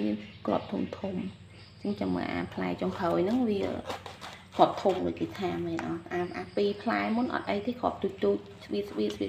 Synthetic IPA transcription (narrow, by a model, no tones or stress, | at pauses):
miənkrŏ̰əp̚t̪ʰumt̪ʰum | t͡ɕəŋt͡ɕɑmːə̰ʔa̰ːpʰlaɛt͡ɕoŋpʰəːjnɨŋʋiə | kʰoəp̚t̪ʰumɗə̰ːk̚kiːt̪ʰaːmmɛːnʔɑːʔaːpʔapiːpʰlaɛmunʔɑ̰t̪̚ʔəjt̪ʰiːkʰŏəp̚t̪uːc̚t̪uːc̚sʋiət̪̚səʋiəsiə